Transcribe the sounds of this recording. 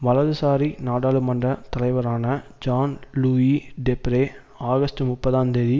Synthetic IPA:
ʋɐlɐðɯsaːɾinaːɽaːlɯmɐɳdrɐt̪ɐlɐɪʋɐɾaːnɐd͡ʒaːnluːiɖɛpɾeː | aːɣɐsʈɯmʊpːɐðaːnd̪ɐði

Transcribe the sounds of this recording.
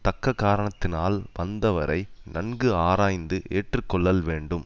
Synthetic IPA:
t̪ɐkːɐkːaːɾɐɳɐt̪ːɪnaːlʋɐnd̪ɐʋɐɾɐɪnɐɳɡɯaːɾaːjnd̪ɯʔeːʈrɯkːɔɭːɐlʋeːɳɖɯm

